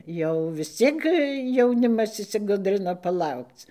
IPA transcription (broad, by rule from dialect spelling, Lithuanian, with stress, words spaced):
ˈjɛʊ ʋʲɪs ˈt͡sʲiɛk jɛʊˈnʲɪmɐs ɪʃʲsʲɪˈɡʊdʲrʲɪnɐ pɐˈlˠɐʊkt͡s